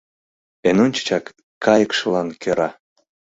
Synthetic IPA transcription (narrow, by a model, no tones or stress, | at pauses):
enonʲt͡ɕə̥t͡ɕɑkː | ɑjəkʃə̆lɑnkʰøɾɑ